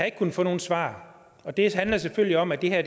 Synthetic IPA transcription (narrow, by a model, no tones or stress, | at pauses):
ɑe̝ɡ̥kʰunfɔ̽ːno̝ːn̩sʋɑ̰̈ː | ɒ̽d̥e̝ɦænlɐs̬eføl̰liɒ̽mæd̥e̝ɦæɐd̥